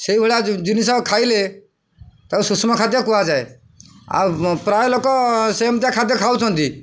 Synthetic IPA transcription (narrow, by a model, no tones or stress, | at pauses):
seibʱəɭad͡ʒɪnisakʰaːile | t̪əsʊsmakʰat̪jakuad͡ʒaːe | a̰pɾaːjlokɔseːmt̪jãkʰat̪jekʰaut̪ʰɔnt̪iː